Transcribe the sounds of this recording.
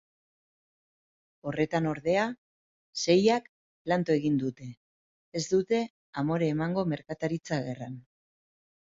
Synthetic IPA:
o̞re̞t̪ano̞ɾðe̞a | se̞jak | plant̪oe̞ɣ̞ind̪ut̪e̞ː | zd̪ut̪e̞ | amo̞ɾe̞ːmaŋɡo̞me̞ɾkat̪aɾit͡saɣe̞ran

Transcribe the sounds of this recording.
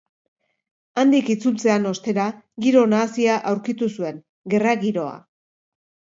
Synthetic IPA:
and̪ikit͡sult͡se̞ano̞st̪e̞ɾa | ɣiɾo̞naːsiaʔawɾkit̪usue̞ŋ | ɡe̞raɣiɾo̞a̰

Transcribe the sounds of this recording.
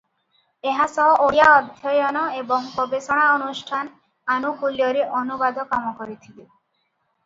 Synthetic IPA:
eɦasɔʔojaɔd̪ʱjɔjɔnɔebɔŋkɔbesɔɽ̃aɔnusʈʰan | anukuljɔɾeʔɔnubad̪ʱɔkamɔkɔɾit̪ʰili

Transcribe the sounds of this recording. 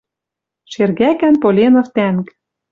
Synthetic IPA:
ʃerɣækænpolʲenɤ̆ft̪æŋk

